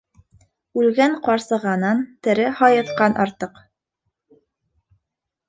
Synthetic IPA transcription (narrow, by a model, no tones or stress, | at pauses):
ʉlɡæɴqɑɾsɤ̆ʁɑnɑnt̪ɘ̆ɾɘhɒjɤ̆t̪qɑnʔɑɾt̪ɤq